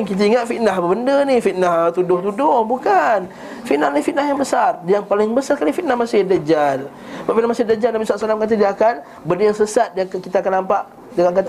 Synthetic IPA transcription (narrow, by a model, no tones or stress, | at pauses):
kit̪aiŋat̪̚fit̪naɦbəbəndənihfit̪̚naht̪udʊht̪udʊhbukan | fit̪nahlifit̪̚nahjaŋbəsardijaŋpalɪŋbəsarkalifit̪̚nahmasɪdad͡ʒal | baʔpfiʔnahmasɪdad͡ʒalnabisuaʔ̪salamkat̪̬ədiaːkan | bəndəjaŋsəsat̪̚dakkit̪aːkanːampaʔ | daŋaka